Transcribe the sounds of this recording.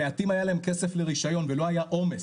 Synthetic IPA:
eatimajalaemke̞sefleʁiʃajo̞nvelo̞ajaʔo̞me

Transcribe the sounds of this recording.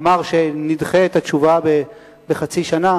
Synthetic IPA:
maʁʃe̞nidχeet̪at͡ʃuvabe | beχat͡siʃana

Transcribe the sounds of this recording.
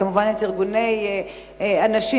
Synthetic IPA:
amuvanlet̪iʁɡune̞j | anaʃi

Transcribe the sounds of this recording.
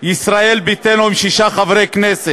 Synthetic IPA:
jisɾaelbit̪enoimʃiʃaχavɾejknese

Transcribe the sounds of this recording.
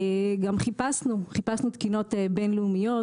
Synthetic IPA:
ɡamχipasnuχipasnut̪kino̞t̪benleumijo

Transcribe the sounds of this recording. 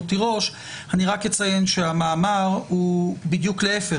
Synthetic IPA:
t̪iʁo̞ʃ | haniʁakjet͡sajenʃeamaːmaʁhubid̪jukleefe

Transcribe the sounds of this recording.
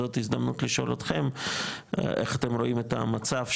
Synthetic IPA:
o̞t̪hizd̪amnutliʃo̞̰lot̪χe̞m | ʔeχat̪e̞mɾo̞ʔime̞ta̰mat͡savʃ

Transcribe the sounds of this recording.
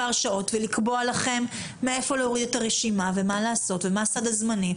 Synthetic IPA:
aʁʃao̞tvelikbo̞alaχe̞mː | ee̞fo̞leoʁid̪etaʁeʃimave̞malaːso̞tvemasad̪azmani

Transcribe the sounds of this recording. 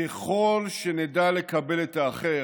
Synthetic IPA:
eχo̞lʃenedale̞kabe̞letaːχe

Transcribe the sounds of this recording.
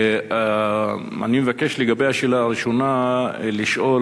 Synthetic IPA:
a | a̰nimevake̞ʃleɡabejaʃelaːʁiʃonaliʃʔo̞

